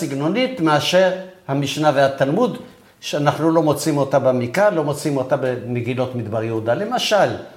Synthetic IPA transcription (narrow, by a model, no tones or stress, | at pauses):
siɡno̞nit̪meaʃe̞ʁhamiʃnavehat̪almud̪ | ʃeanaχnulo̞mo̞t͡simo̞t̪abamikalo̞mo̞t͡simo̞t̪abemeɡilo̞t̪mid̪baʁjeud̪ale̞maʃal